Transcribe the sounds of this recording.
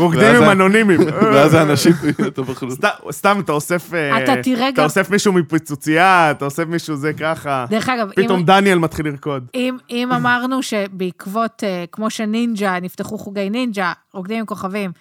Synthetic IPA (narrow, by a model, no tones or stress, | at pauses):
ʁoɡd̪imimano̞nimimveazeanaʃimt̪abaχlust̪ast̪amat̪aosefeat̪atiʁeɡ̪aosefmiʃumipit͡sut͡siat̪aosefmiʃuzekaχadeʁeχaɡavpiit̪o̞md̪anielmat̪χiliʁko̞d̪imimamaʁnuʃe̞beikvo̞tekmo̞ʃenind͡ʒanift̪eχuχuɡejnind͡ʒaʁoɡd̪imimko̞χavim